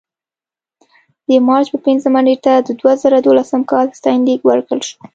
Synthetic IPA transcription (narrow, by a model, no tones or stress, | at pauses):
d̪əmɑɾt͡ʃpəpɪnzəmaneʈad̪əd̪wazəɾad̪olasəmkɑlst̪ɑjnd̪iɡwəɾkəlʃu̥